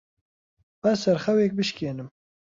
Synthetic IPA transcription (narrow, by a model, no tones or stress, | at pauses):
ɐzsɐɾxɐwek̚bɨʃkeːnɨm